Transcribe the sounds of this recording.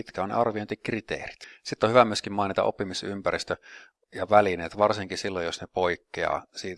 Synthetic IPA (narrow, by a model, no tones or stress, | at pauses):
it̪kæonnḛɑrʋiont̪ikrit̪ḛːri̥t̪sit̪ːohyʋæmyøskimɑinit̪ɑ̰ʔo̰pːimisympærist̪ø | jɑʋælineːt̪ʋɑrsiŋkisilːojosnepoikːeɑ̰ːsiːt̪